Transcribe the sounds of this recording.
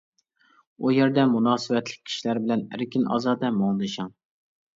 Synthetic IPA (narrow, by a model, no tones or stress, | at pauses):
ujeɾd̪ɛmunɑːsɨvɛt̪lɪ̥kʲʰːi̥ʃilæɾbɪlɛnæ̰ɾkʲinɑ̰ːzɑːd̪ɛmoŋd̪ɨʃɑŋ